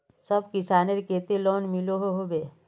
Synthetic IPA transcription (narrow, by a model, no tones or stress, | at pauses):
səbkɪsaːneɾkeːt̪eloːnmɪloɦoɦobeː